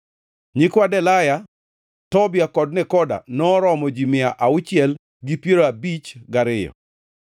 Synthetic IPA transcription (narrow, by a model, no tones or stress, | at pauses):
ɲɪkwadɛlaja | tɔbɪakɔd̚nɛkɔda̰nɔɾɔmɔd͡ʒimɪaʔaʊt͡ʃɪɛl | ɡipjeɾoabit͡ʃɡaɾɪjɔ̰